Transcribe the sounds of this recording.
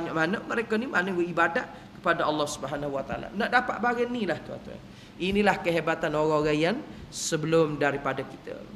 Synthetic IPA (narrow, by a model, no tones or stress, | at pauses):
aɲaʔmanəməɾekənimanəwəibadaʔ̪̚ | kə̥padaɑlːɑhsubəɦanaɦuwat̪aa̰la̰naʔdapa̰ʔ̪̚baɡənilaht̪ua̰t̪ua̰ | ʔinilahkəɦebat̪anoɣãoɾaŋjansəbəlʊmdaɾipadaki̥t̪ə̰